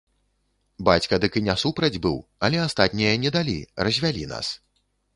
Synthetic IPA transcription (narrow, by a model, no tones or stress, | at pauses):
bat͡sʲkɐd̪ɨkɨnʲasupɾɐd͡zʲbɨwɐlʲɛast̪at̪ʲnʲijɐnʲɛd̪alʲḭrɐzʲvʲalʲina̰s